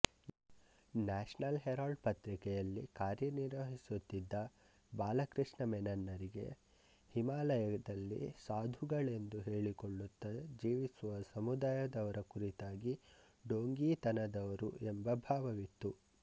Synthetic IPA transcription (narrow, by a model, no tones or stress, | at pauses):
naːʂnɐlɦɛɾaːɖpɐt̪ɾikɛjɐlːikaːɾjɐniɾʋɐɦisut̪ːid̪ːɐ | baːlɐkɾiʂɳɐmɛnɐnːɐɾiɡe̞̰ | himaːlɐjɐɐd̪ɐlːḭsaːd̪ʱuɡɐɭe̞nd̪uɦe̞ːɭikoɭːut̪ːɐd͡ʒiːʋisuʋɐsɐmud̪aːjɐd̪ɐʋɐɾɐkuɾit̪aːɡi | ɖoːŋɡiːt̪ɐnɐd̪ɐʋɐɾṵembɐbʱaːʋɐʋit̪ːu